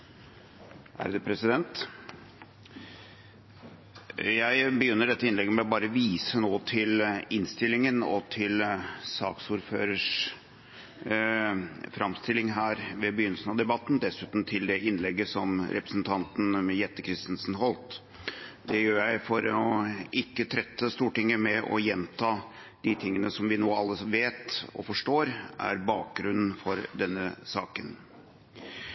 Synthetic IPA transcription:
ʔæ̰ɾd̪ɛpʰɾɛsɪd̪ɛnt̪ | jæɪbəjʏnːəɖɛt̪ːəɪnlɛɡːəmɛɔbɑːɾəʋiːsənoːt̪ʰɪlɪnst̪ɪlːɪŋənɔ̰t̪ʰɪlsɑːksuːɾfø̰ːɾəʂ | fɾɑmst̪ɪlɪŋɦæːɾʋɛbəjʏnːəsən̩ɑd̪ɛbɑt̪ːn̩d̪ɛsʉːt̪n̩t̪ʰɪld̪ɛɪnlɛɡːəsɔmɾʔɛpɾəsnt̪ʰɑnt̪n̩mɛjɛt̪ːəkʰɾɪst̪nsn̩ɦɔlt̪ | d̪ɛjøːɾjæɪfɔɾɔʔɪkːət̪ʰɾɛt̪ːəst̪uːʈɪŋːəmɛʔɔ̰jɛnt̪ʰɑː | d̪̥ɪt̪ʰɪŋːənəsɔmʋɪnoːɑlːəʋeːt̪ɔ̰fɔʂʈoːɾʔæ̰ɾbɑːk̚ɡɾʉnːn̩fɔɾd̪ɛnːəsɑːkən

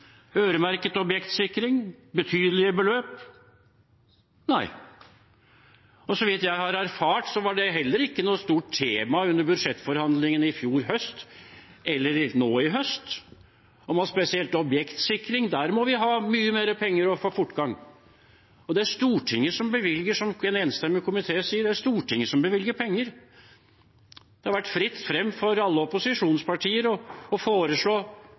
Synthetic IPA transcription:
øːɾəmæɾkət̪ɔbjɛkt̪sɪkːɾɪŋbət̪ʰyːd̪əlɪəbəløːp | næɪ | ɔsɔʋɪt̪jæɪhɑɾæɾfɑːʈsɔʋɑɖɛɦɛlːəɾɪkːənuːt̪st̪uːʈt̪ʰːeːmɑʉnːəɾbʉd̪ʂɛt̪ːfɔɾhɑnd̪lɪŋənɪfjuːɾɦœst̪ | ɛlːəɾɪnoːɪɦœst̪ | ɔmɑspɛsɪɛlt̪ɔbjɛkt̪sɪkɾɪŋd̪æːɾmɔʋɪɦɑːmyːəmeːɾəpʰɛŋːəɾɔfoːfʊʈːɡɑŋː | ɔd̪ɛæʂt̪uːʈʰɪŋːəsɔmbəʋɪlɡəʂɔmɛneːnst̪ɛmːəkʰʊmɪt̪ʰeːsiːəɖɛæʂt̪uːʈʰɪŋːəsɔmbəʋɪlɡəpʰɛŋːəɾ | d̪ɛhɑɾʋæʈːfɾɪt̪ːfɾɛmːfɔɾɑlːəɔpʊsɪʂuːnspʰɑʈʰiːəɾɔɔfoːɾəʂɭoː

